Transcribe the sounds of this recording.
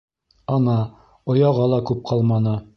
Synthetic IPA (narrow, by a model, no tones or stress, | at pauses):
ɑnɑ | ŏjɑʁɑlˠɑkʉp̚qʰɑlˠmɑnɤ